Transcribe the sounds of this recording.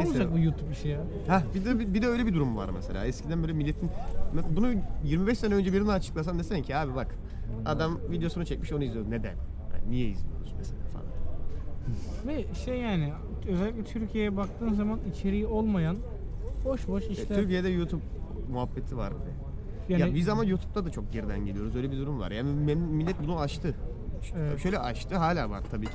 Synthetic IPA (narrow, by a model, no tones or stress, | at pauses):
olˠud͡ʒak̚bujuːt̪ʰupiʃeja | habid̪ɛbibid̪ɛøjlʲɛbid̪uɾumva̰ɾmɛ̰selʲa̰ːɛscʰid̪ænbøːlʲɛmilːet̪ʰinesnbunujiɾmibɛʃsenɛø̞nd͡ʒɛbiɾinaat͡ʃʰɯ̥klˠasand̪esɛncʰiaːbibak | a̰d̪amvid̪ejo̞sunut͡ʃʰɛc̚miʃo̞nujizijod̪uned̪æ̰n | ha̰nnijɛjḭzlʲijoɾsmeselʲa̰ːfa̰na | vɛʃɛjaːnɪ | øzɛlʲːic̚ʲlʲɛt̪ʰyɾcʰijejɛbak̚t̪ʰɯːnzamanit͡ʃʰe̞ɾijio̞lˠmajan | boʃboʃiʃt̪yɾcijed̪ɛjut̪ʰub̚muɦabːet̪ʰiva̰ɾbḭd̪ɛ̰ | ajabizamanjuːt̪ʰu̥p̚t̪ʰad̪at͡ʃʰok̚ɟeɾid̪æ̰nɟe̞lʲijo̞ɾuzø̞jlʲebid̪uɾumva̰ɾjaːnimmilʲːɛt̪̚bunuaʃt̪ʰɯ | t͡ʃ̪ʰaʃø̞jlʲɛʔaʃt̪ʰɯɦaːlʲaːba̰nt̪ʰabiːcʰ